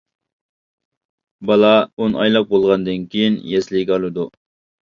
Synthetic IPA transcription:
bɑlˠɑunʔɑjlˠɑq̚bolˠʁɑnd̪ɨnkʲʰijinjɛslɪkʲɑlˠɨd̪u

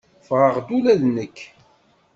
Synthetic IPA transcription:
fʁəʁd̪ulæðnəkː

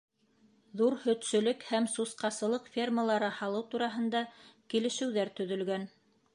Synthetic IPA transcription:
ðuɾhɵ̆t̪sɵ̆lɵkhæmsusqɑsɤ̆lˠɤqfʲerməlˠɑɾɤhɑlˠɤwt̪uɾɑɦɤ̆nd̪ɑkilɘ̆ʃɘ̆wðæɾt̪ɵ̆ðɵ̆lɡæn

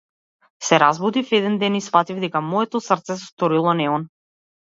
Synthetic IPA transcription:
sɛɾazbud̪ifɛd̪ɛnd̪ɛnisfat̪ivd̪ɛkamɔɛt̪ɔsrt̪sɛsɛst̪ɔɾilˠɔnɛɔn

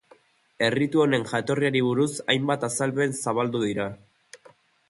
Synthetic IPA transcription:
e̞rit̪uo̞ne̞ŋʝat̪o̞riaɾiβ̞uɾusajmbat̪asalβe̞nsaβald̪uðiɾa

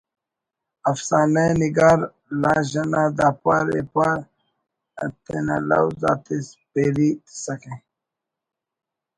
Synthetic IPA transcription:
ɐfsaːnajniɡaːɾ | laːʑɐnad̪aːpaɾḛpaɾ | t̪ena̰la̰wza̰ːt̪ispeɾit̪i̥sɐke

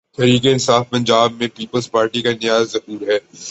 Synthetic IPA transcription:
t̪ɛɾiːkeɪnsaːfpɐ̃ɲd͡ʒaːb̚mẽpiːpəlzpaːɾʈikanɪjaːzːɐɦuːɾɦɛː

